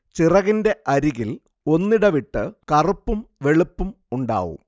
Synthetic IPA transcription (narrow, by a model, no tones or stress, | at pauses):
t͡ɕirɐɣinde̞ʔɐɾiɣil | o̞nːiɽɐʋiʈːɨkɐrupːumʋe̞ɭupːum | uɳɖa̰ːʋṵm